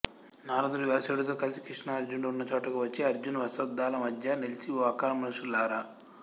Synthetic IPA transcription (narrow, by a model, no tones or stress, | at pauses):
naːɾɐd̪uɾuʋɛːɾɐseːɽut̪oːkɐlisi̥kɾiʂɳɐɐɾd͡ʒuɳlunːɐt͡ʃoːʈɐkuʋɐt͡ʃːiɐɾd͡ʒunɐʋɐsɐd̪ːaːlɐmɐd̪ʱjɐnelit͡ʃiʋaːkaːɾɐmɐnɐʂulaːɾa